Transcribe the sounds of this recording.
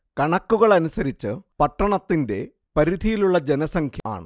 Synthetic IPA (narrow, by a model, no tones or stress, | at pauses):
kɐɳɐkːuɣɐɭɐnusɐɾit͡ɕːɨpɐʈːɐɳɐt̪ːinde̞̰ | pɐɾid̪ʱijiluɭːɐd͡ʑenɐsɐŋkʰjɐa̰ːɳɨ